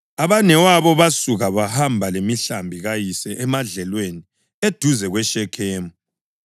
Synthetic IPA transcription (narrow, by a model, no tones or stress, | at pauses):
aβanɛwaβɔβasuɣaβahambʱalemiɬambʱiɣajisɛʔɛmaɮɛlweni | ed̥ʱuzɛɣwɛʃɛkʰɛːmɔ